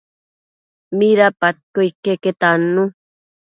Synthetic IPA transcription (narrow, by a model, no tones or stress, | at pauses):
miɾapat̪̚kojkeket̪anːu